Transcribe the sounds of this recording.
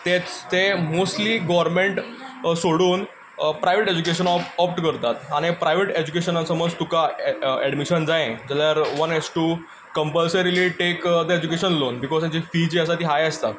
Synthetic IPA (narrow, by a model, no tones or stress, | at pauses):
t̪et͡st̪emosʈliɡɔʋəɾmẽɳʈ | soɽuːn | pɾajʋeʈed͡ʑukeɕənɔpɔpʈkəɾt̪at̪aɽ̃ipɾajʋeʈed͡ʑukeɕənasəməd͡zt̪ukaɛɽmiɕənd͡zaẽd͡ʑaljaɾʋənɦesʈu | kəmpəlsəɾiliʈekd̪eed͡ʑukeɕənlonbikɔz̥t̪ãt͡ɕifid͡ʑeəsat̪iːɦajəst̪a